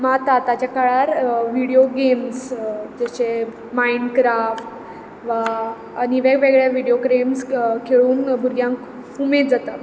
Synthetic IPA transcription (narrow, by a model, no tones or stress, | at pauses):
mat̪at̪at͡ɕjakaɭaɾʋiɽijoɡemsd͡ʑat͡ɕe | maiɳɖkɾafʈ | ʋaː | niʋeɡʋeɡɭjaʋiɽijokɾemskʰeɭuːnbʱuɾɡjãŋk | kumetd͡zat̪at̪